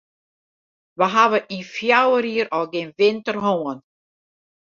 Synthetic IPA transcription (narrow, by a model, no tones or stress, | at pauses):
ʋəɦaʋəʔifjawəɾiəɾɔɡɪnʋɪntərɦoːən